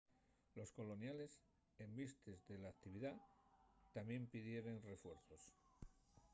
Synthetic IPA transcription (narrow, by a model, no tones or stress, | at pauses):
lo̞sko̞lo̞njale̞s | e̞mbist̪ezðe̞laːkt̪iβ̞iða | t̪amje̞mpiðje̞ɾe̞nre̞fwe̞ɾθo̞s